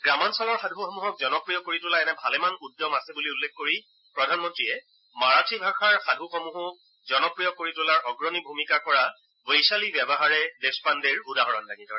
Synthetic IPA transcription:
ɡɹamansɔlɔɹxadʱuxɔmuɦɔk̚zɔnɔpɹijɔɡ̚kːoɹitʊlaɛnɛbʱalɛmanudːɔmasɛbuliulːekkoɹi | pɹɔdʱanmɔntɹiɛ | maɹatʰibʱaxaɹxadʱuxɔmuɦʊk̚ | zɔnɔpɹijɔɡ̚kːoɹitʊlaɹʔɔɡɹɔnibʱumikakɔɹa | bejsalibjɛbɔɦaɹɛdespandeɹudaɦɔɹɔndaɡitɔɹɛ

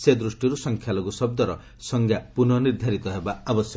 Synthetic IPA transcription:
sed̪ɾusʈiɾusɔŋkʰjaloɡusɔb̚d̪ɔɾɔ | sɔŋɡjapunɔniɾd̪ʱaɾit̪ɔɦebaabɔsjɔ

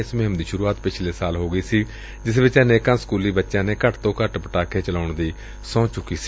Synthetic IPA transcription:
ɪsmeːmd̪iːʃʊɾuːaːt̪pɪt͡ʃʰleːsaːlɦoːɡəiːsiː | d͡ʒɪsbɪt͡ʃənẽːkãnskuːliːbətːʃãːneːkəʈt̪õːkəʈpəʈaːkʰeːt͡ʃəlaːʊɳd̪iː | sɔ̃ːt͡ʃʊkːiːsi̥ː

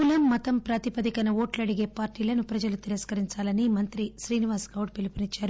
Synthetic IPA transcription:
ulɐmːɐt̪ɐmpɾaːt̪ipɐd̪ikɐnɐoːʈlɐɽiɡe̞ːpaːɾʈːiːlɐnupɾɐd͡ʒɐlut̪iɾɐskɐɾiɲt͡ʃaːlɐnimɐnt̪ɾiʃɾiːniʋaːskɐwuʈ̚pelupinit͡ʃːaːɾu

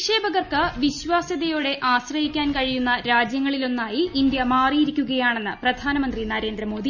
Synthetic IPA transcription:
ʂe̞ːbɐɣɐrkɐʋiɕʋaːsɐðɐjo̞ːɽe̞ʔaːɕrɐɦikʲːaːnkɐɻijunːɐɾaːd͡ʑjɐŋːɐɭilo̞nːaːjiːnd̪jɐmaːrijiɾikʲːuɣɐjaːɳe̞nːɨprɐd̪ʱaːnɐmɐnd̪rinɐɾe̞ːnd̪ɾɐmo̞ːd̪ʱi

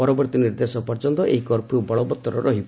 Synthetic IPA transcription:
ɔɾɔbɔɾt̪iniɾd̪esɔpɔɾt͡ʃɔnt̪ɔʔḛɦikɔɾpʰɾubɔɭɔbɔt̪ːɔɾɔɾɔɦibɔ

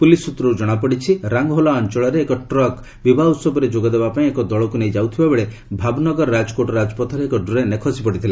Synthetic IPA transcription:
pulisut̪ɾɔɾud͡ʒɔɽ̃apɔɽit͡ʃʰiɾaŋɡɦolaɔnt͡ʃɔɭɔɾeːkɔʈɾɔk | bibʱaut̪sɔbɔɾed͡ʒoɡɔd̪ebapaĩekɔd̪ɔɭɔkunejd͡ʒawt̪ʰibabeɭe | bʱabnɔɡɔɾɔɾad͡ʒɔkoʈɔɾad͡ʒɔpɔt̪ʰɔɾeekɔɖuɾenekʰɔsipɔɽit̪ʰila

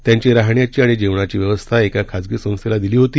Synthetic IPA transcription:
t̪jaɲt͡ɕeɾaɦɳjat͡ɕiːaɽ̃id͡ʑeʋɳ̃at͡ɕiːʋjeʋəst̪ʰaekakʰad͡zɡisə̃ŋselad̪iliːɦot̪iː

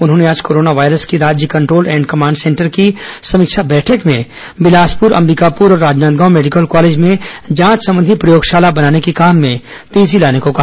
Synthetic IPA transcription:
ʊnɦõːneaːd͡ʒkoːɾoːnaʋaːɪɾəskiɾaːd͡ʒjəkɐ̃ɳʈɾoːlɛ̃ːɳɖkɐmãːɳɖsɛ̃ːɳʈəɾkisɐmɪkʃabɛːʈʰəkmẽ | bɪlaːspʊɾɐ̰̃mɾiːkapuːɾɔːɾːaːd͡ʒnaːnt̪̚ɡaːmɛːɖɪkəlkɔːleːd͡ʒmẽd͡ʒãːt͡ʃsɐ̃mbə̃nd̪ʱipɾɐjoːɡʃaːlabɐnaːnekikaːmːẽ | t̪eːzilaːnekoka

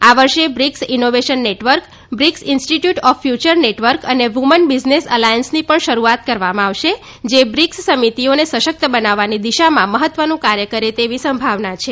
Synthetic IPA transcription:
aʋəɾʃebɾiksinoʋeʃənːeʈʋəɾk | bɾiksinsʈiʈjuʈɔfːjut͡ʃəɾneʈʋəɾkəneʋumənbid͡ʒnesəlajənsnipəɳʃəɾuat̪kəɾʋamãaʋʃe | d͡ʒebɾikssəmit̪ionesəʃək̚t̪əbənaʋːanid̪iʃamãməɦət̪ːʋənũkaɾjəkəɾet̪eʋisə̃mbʱaʋnat͡ʃʰe

